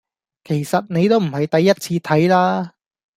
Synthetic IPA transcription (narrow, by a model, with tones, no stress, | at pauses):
kʰe˨˩jsɐ˨t̚ne˨˧jt̪o˥wm̩˨˩hɐ˨jt̪ɐ˨jːɐ˥t̚t͡sʰiː˧t̪ʰɐ˨˥jlaː˥